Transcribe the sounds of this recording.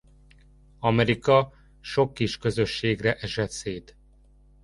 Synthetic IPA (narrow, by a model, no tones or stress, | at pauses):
ɒmɛɾikɒ | ʃo̞kːiʃkø̞zøʃːeːɡrɛʔɛʃɛt̪seːt̪